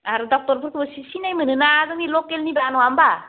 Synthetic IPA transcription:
aɾudɔk̚tɔɾpʰɯɾkʰɯbɔsisinajmɯnɯnazɯŋnilɔkelnibanɔamba

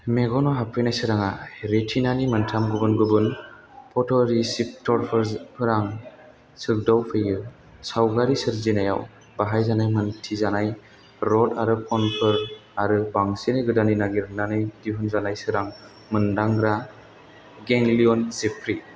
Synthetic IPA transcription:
meɡɔnɔɦapʰɯjnajsɯɾaŋaɾetʰinanimɯntʰamɡɯbɯnɡɯbɯn | pʰɔtʰɔɾisip̚tʰɔɾpʰɯɾpʰɯɾaŋ | sɯk̚dawpʰɯjɯ | sawɡaɾisɯɾzinaja̰w | baɦajzanajmɯntʰizanaj | ɾɔtaɾɯpʰɔnpʰɯɾaɾɯbaŋsinajɡɯdaninaɡiɾnanajdiɦɯnzanajsɯɾaŋ | mɯndaŋɾa | ɡeŋliɔnzipʰɾi

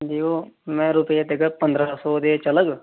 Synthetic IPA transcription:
d͡ʒiːkoːmɛ̃ːɾʊpjeːt̪eɡəpənd̪ɾaːsɔːd̪eːt͡ʃələɡ

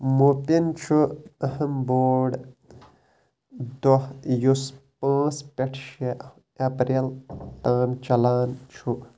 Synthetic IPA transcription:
mopint͡ʃʰuɐhɐmboːɽ | d̪ohjuspãːt͡spʲeʈʰʃe | ɐpɾelt̪aːnt͡ʃɐlaːnt͡ʃʰu

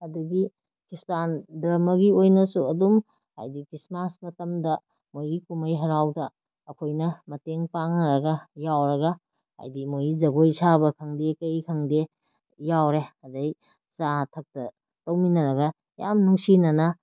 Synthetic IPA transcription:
ɐduɡi | kistandɾɐmɐɡiojnɐsuɐdum | ha̰jdikɾismasmɐtɐmdɐ | mojɡikumɐjɦɐɾawdɐː | kʰojnɐmɐteŋpaŋnɐɾɐɡɐjawɾɐɡɐ | ha̰jdimojɡizɐɡojsʰabɐkʰɐŋdekɐjkʰɐŋde | jawɾeɐdɐj | satʰɐk̚tɐ | tɐwminɐɾɐɡɐ | ja̰mnuŋsinɐnɐ

